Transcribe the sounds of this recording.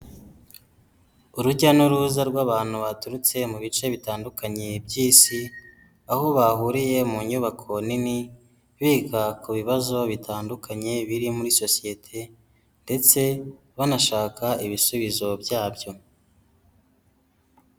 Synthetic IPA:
uɾuɟanuɾuzaɾɡwaːβaːn̥huβatuɾut͡se̞muβit͡ʃe̞βitaːndukaɲe̞bɟiːsi | aho̞βahuɾije̞muɲuβakʰo̞nini | βiːkakuβiβazo̞βitʰaːndukaɲe̞βiɾimuɾiso̞sije̞tʰe̞ | nde̞t͡se̞ | βanaʃaːkaiβisuβizo̞bjaːbɟo̞

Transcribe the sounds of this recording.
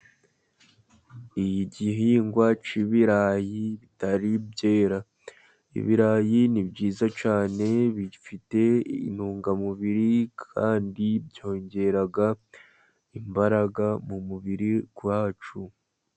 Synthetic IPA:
ijiɟiɦiːŋɡwat͡ʃiβiɾaːjiβitaɾibjɟe̞ːɾa | ḭβiɾaːjinibɟiːzat͡ʃaːne̞βifite̞ḭnhuːŋɡamuβiɾikʰaːndibjo̞ːɲɟe̞ɾaɡa | imbaɾaɡamumuβiɾikuwaːt͡ʃu

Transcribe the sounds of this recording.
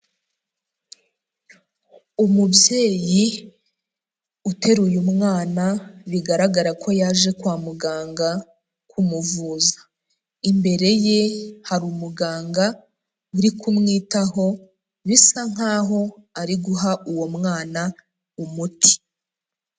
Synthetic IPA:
umubje̞ːji | ute̞ɾujumŋaːnaβiɡaɾaɡaɾakʰo̞jaːʒe̞kwaːmuɡaːŋɡa | kʰumuvuːzḁ | imbe̞ɾe̞je̞haɾumuɡaːŋɡa | uɾikʰumŋiːtaɦo̞ | βisaŋ̥aːɦo̞aɾiɡuɦaʔuwo̞mŋaːna | umutʰi̥

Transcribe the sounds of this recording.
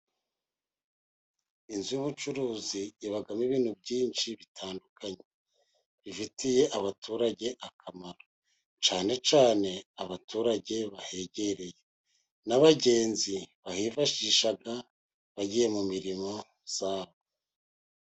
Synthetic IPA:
inzujuβut͡ʃuɾuːziːβaɡamiβiːn̥hub̚ɟiːnʃiβitʰaːndukʰaɲe̞ | βifitʰije̞ʔaβatʰuɾaɟe̞ʔakʰamaɾo | t͡ʃaːne̞t͡ʃaːne̞aβatʰuɾaɟe̞βahe̞ɟe̞ɾe̞je̞ | naβaɟe̞ːnziβahiːfaʃiːʃaɡa | βaɟije̞mumiɾimo̞ | z̥aːβo

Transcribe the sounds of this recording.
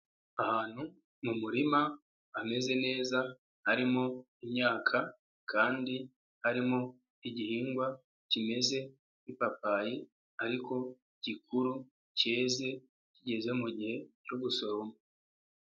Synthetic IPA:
ahaːn̥hu | mumuɾima | ame̞ze̞ne̞ːza | haɾimo | imɲaːkʰa | kʰaːndi | haɾimo | iɟihiːŋɡwa | cime̞ze̞ | ipapaji | aɾiko̞ | iɟikʰuɾu | ceːze̞ | ciɟe̞ze̞muɟihe̞cuɡuso̞ɾomo

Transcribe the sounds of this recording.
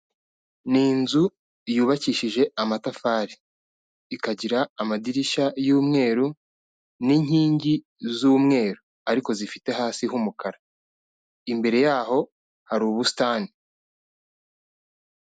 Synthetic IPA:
niːnzu | juːβaciːʃiʒe̞amatafaːɾiː | kaɟiɾaːmadiɾiʃajuːmŋe̞ːɾu | niɲ̥hiːɲɟi | zuːmŋe̞ːɾu | aɾiko̞zifite̞ɦaːsiɦumukʰaɾa | imbe̞ɾe̞jaːɦo̞ | haɾuːβusi̥taːni

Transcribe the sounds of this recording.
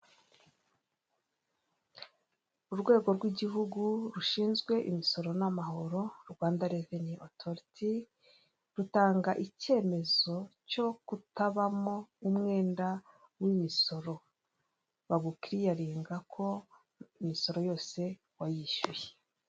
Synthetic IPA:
uɾɡwe̞ːɡo̞ɾɡwiɟiɦuɡuɾuʃiːnzɡwe̞ʔimiso̞ɾo̞namaho̞ɾo̞ɾɡwaːndaɾeveniʔotʰoɾiti | ɾutaːŋɡaʔice̞ːme̞zo̞co̞kutaβamo̞umŋe̞ːnda | wimiso̞ɾo̞ | βaɡukiɾijaɾiːŋɡakʰo̞ | imiso̞ɾo̞jo̞ːse̞ | wajiʃujee

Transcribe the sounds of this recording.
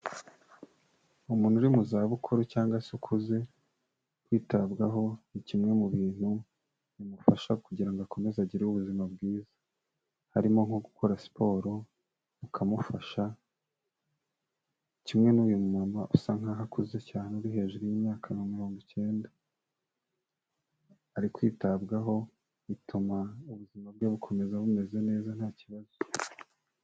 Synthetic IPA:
umuːnhuɾimuzaβukʰuɾucaːŋɡasukʰuze̞ | kwiːtabɡaɦo̞nicimŋe̞muβiːn̥hu | nimufaʃakuɟiɾaŋɡoakʰome̞zaɟiɾeuβuzimab̚ɡiːzḁ | haɾimo̞ŋhoɡukʰo̞ɾasi̥pʰo̞ːɾo | ukʰamufaʃa | cimŋe̞nuːjumumamaʔusaŋaɦakuze̞caːneuɾihe̞ːʒuɾujimɲaːkʰanomiɾo̞ːŋɡoce̞ːnda | ɾikwḭːtaβbɡaɦo̞ | βitʰumauβuzimabɡeβukʰo̞me̞zaβume̞ze̞ne̞ːzan̥haːciβazo

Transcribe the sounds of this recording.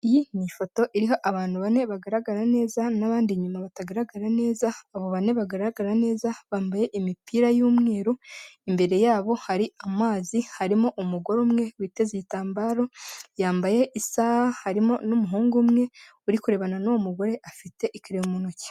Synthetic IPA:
ijimifo̞to̞ʔiɾiɦo̞ʔaβaːn̥huβane̞βaɡaɾaɡaɾane̞ːzanaβaːndiɲumaβataɡaɾaɡaɾane̞ːzaːβo̞βane̞βaɡaɾaɡaɾane̞ːzaβaːmbaje̞ʔimipiɾajuːmŋeːɾuimbe̞ɾe̞jaːβo̞haɾiamaːzihaɾimoʔumuɡo̞ɾumŋe̞wiːte̞zeitaːmbaːɾo̞jaːmbaje̞ʔisahahaɾimo̞numuɦuːŋɡumŋe̞ | uɾikuɾe̞βananowomuɡo̞ɾe̞ʔafite̞ʔikiɾeumunoce̥

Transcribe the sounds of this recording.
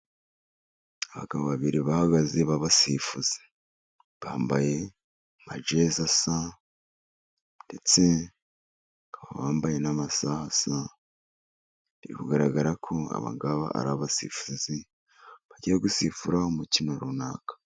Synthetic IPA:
aβa̰kaβoβaβiɾiβahaɡaze̞βaβasifuz̥e̥ | βaːmbaje̞ | mad͡ʒezasa | nde̞t͡se̞ | kaaβ̰βaːmbaje̞namasahasa | βiɾikuɡaɾaɡaɾakʰo̞a̰βa̰ɡaβa̰ʔa̰ɾaβasḭfuzi | βaɟijeɡusifuɾaumutinaɾuna̰ːkḁ

